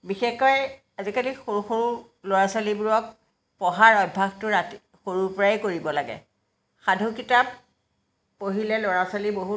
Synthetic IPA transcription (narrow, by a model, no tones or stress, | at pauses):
bixexɔj | azikalixoɹuxoɹu | loɹasalibʊɹɔk̚ | pɔɦaɹɔjbʱaxtʊɹati | xoɹupɔɹaekoɹibɔlaɡɛ̰ | xadʱukitapː | oɦilɛloɹasaliboɦu